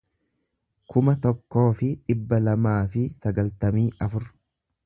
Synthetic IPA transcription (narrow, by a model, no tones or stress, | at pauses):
kʊmɐt̪ɔkːo̞ːfɪᶑɪbːɐlɐmaːfɪsɐɡɐlt̪ɐmiːʔɐfʊɾ